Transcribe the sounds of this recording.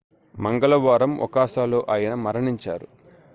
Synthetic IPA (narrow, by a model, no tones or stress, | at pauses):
mɐŋɡɐlɐʋaːɾɐmʋɐ̰kaːʃaːloːʔaːjɐnɐmɐɾɐɳiɲt͡ʃa̰ːɾu